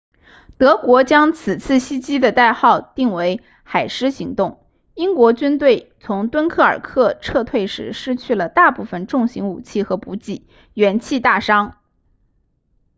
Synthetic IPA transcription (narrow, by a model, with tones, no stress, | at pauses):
t̪ɤ˧˥kwɔ˧˥t͡ɕjɑ˥ŋt͡sʰɹ̩˨˩t͡sʰɹ̩˥˩ɕi˥t͡ɕi˥d̪ə˨t̪a˥˧ɪxɑ˥˧ʊt̪i˥˩ŋwe˧˥ɪ | xa˨˩ɪʂɻ̩˥ɕi˧˥ŋt̪ʊ˥˩ŋ | i˥ŋkwɔ˧˥t͡ɕy˥nt̪we˥˩ɪt͡sʰʊ˧˥ŋt̪wə˥nkʰɤ˥˩ə̰˞˨˩kʰɤ˥˧ʈ͡ʂʰɤ˥˧t̪ʰwe˥˩ɪʂɻ̩˧˥ʂɻ̩˥t͡ɕʰy˥˩lə˩t̪a˥˧pu˥˩fə˨˩nʈ͡ʂʊ˥˩ŋɕi˧˥ŋṵ˨˩t͡ɕʰi˥˩xɤ˧˥pu˧˥t͡ɕi˥˩ | ɥɛ˧˥nt͡ɕʰi˥˧t̪a˥˩ʂɑ˥ŋ